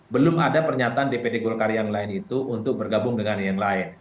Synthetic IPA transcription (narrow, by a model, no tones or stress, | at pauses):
bəlʊmadapərɲat̪aandepedeɡolkarjaŋlaɪnit̪uʔunt̪ʊk̚bərɡabʊŋdəŋanjaŋlaɪn